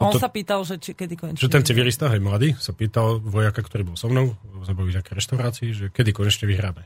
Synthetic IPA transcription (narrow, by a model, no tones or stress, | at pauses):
ɔnsapiːt̪alʒɛt͡ʃikɛd̪ikɔɲɛʒ̥ɛt̪ɛnt͡siʋilist̪aɦajmlad̪iːsapiːt̪alʋɔjakakt̪ɔɾiːbɔlˠsɔmnɔʊɛbzabauɲakɛjɾɛʃt̪aʊɾaːt͡siiʒɛkɛd̪ikɔɲɛt͡ʃɲɛʋiɦɾaːmɛ